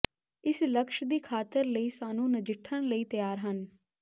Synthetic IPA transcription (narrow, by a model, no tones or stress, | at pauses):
ɪsləkʃd̪iːkʰaːt̪əɾləiːsaːnũːnəd͡ʒɪʈʰːənləiːt̪əjaːɾɦən